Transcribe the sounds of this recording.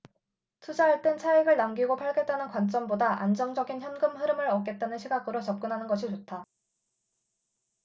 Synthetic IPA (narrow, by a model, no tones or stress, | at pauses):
tʰud͡ʑaɦaɭt͈ent͡ɕʰaeɡɯɭnamɡiɡopʰaɭɡe̞t̚t͈anɯnkwant͡ɕ͈ʌmbodaʔa̰nd͡ʑʌŋd͡ʑʌɡinçjʌnɡɯmɦɯɾɯmɯɾʌk͈e̞t̚t͈anɯnɕʰiɡaɡɯɾot͡ɕʌp̚k͈ɯnɦanɯnɡʌɕʰit͡ɕotʰa